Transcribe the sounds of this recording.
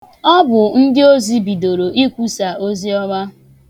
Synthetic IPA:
ɔ˦bʊ˨n̩˦dɪ˦o˦zi˦bi˨do˨ɾo˨ʔi˦kʷu˦sa˨ʔo˦zi˦ɔ˦ɡ͡ba˦

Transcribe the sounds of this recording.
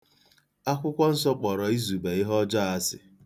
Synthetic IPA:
a˦kʷʊ˦kʷɔ˦n̩˦sɔ˦k͡pɔ˨ɾɔ˨i˦zu˨be˨ɪ˦ɦɔ˦d͡ʒɔ˦a˦sɪ̰˨

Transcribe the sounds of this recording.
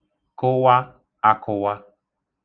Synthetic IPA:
kʊ˦wa˦ | a˨kʰʊ˨wa˦

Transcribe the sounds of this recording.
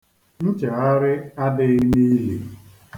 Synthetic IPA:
n̩˦t͡ʃe˨a˦ɾɪ˦a˦dɪ˦ɣɪ˦ni˦lḭ˨

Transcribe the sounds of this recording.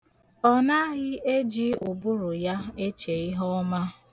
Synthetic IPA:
ɔ˦na˦ɣɪ˦ʔe˦d͡ʒi˦ʊ˨bʊ˦ɾʊ˨ja˦e˦t͡ʃe˨ɪ˦ɦɔ˦ma˦

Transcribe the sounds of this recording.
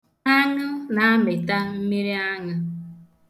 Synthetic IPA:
a˦nʊ˦na˨a˦mɪ˨ta˦m̩˦mi˦ɾi˦a˦ŋa˦

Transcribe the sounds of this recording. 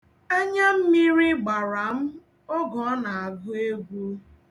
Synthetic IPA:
e˦ɲe˦m̩˦mi˦ɾi˦ɡ͡ba˨ɾa˨m̩˦ | o˦ɡɔ˨˦na˨a˨ɡʊ˦e˦ɡʷu˦

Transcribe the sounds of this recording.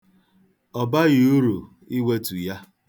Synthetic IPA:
ɔ˨ba˦ɣi˨u˦ɾu˨ | i˦we˦tu˨ja˦

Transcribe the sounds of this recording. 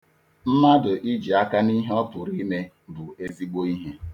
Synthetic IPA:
m̩˦ma˦dʊ˨ʔi˦d͡ʒi˨a˦ka˦ni˦ɦe˦ɔ˦pʊ˨ɾi˦me˦ | bʊ˨e˦zi˦ɡ͡bo˦i˦ɦe˦

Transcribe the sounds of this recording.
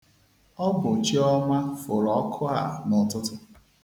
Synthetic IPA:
ɔ˦bʊ˨t͡ʃi˦ɔ˦ma˦fʊ˨ɾɔ˨˦kʰʊ˦a˨nʊ˨tʊ˦tʊ˦

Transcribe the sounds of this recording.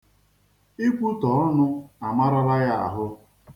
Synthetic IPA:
i˦kʷu˦tɔ˨˦ɔ˦nʊ˦a˨ma˦ɾa˦ɾa˦ja˦˨a̰˨ɦʊ˦

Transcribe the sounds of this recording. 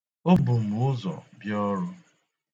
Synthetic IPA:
o˦bʊ˨m̩˨ʊ˦zɔ̰˨bjɔ˦ɾʊ˦

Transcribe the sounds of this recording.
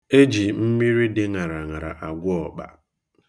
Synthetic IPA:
e˦d͡ʒi˨m̩˦mi˦ɾi˦dɪ˦ŋa˨ɾa˨ŋa˨ɾa̰˨ʔa˨ɡʷʊ˦ɔ˨k͡pa̰˨

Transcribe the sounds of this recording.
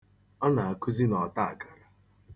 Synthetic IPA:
ɔ˦na˨a˨ku˦zi˦nɔ˨ta˦a˨ka˨ɾa˨

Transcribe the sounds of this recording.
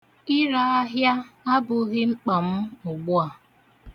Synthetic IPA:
ɪ˦ɾa˦a˦ɦja˦a˦bʊ˨ɣɪ˦ŋ͡m̩˦k͡pa˨m̩˦ʊ˨ɡ͡bʊ˦a˨

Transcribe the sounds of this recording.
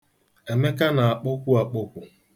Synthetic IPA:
e˨me˦ka˦na˨a˨k͡pʊ˦kʷu˦a˨k͡pʊ˦kʷʊ˨

